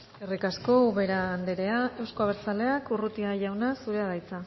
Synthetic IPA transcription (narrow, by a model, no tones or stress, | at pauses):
erikasko̞uβe̞ɾaːnd̪eɾe̞ae̞wsko̞aβ̞eɾt͡sale̞akurut̪iaʝawnasuɾe̞aðajt͡sa